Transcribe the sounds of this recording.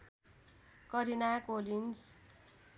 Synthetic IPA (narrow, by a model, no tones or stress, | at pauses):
kʌɾinakolins